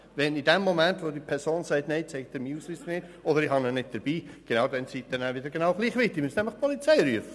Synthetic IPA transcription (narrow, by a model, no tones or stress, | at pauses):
vɛnidɛmːomɛntvodipʰɛɾsoːnsɛɪtneɪt͡sɛɪɡtd̥əɾmiːuslyːsənɪdɔdəɾɪhɑnənɪd̚d̥əɾb̥iːɡ̥enaʊdɛnsiːt̚d̥̪ɛnævɪdəɾɡenɑʊɡ̥liːχʋɪtːɪmystnɛmləχpʰɔlit͡seɪɾyəfə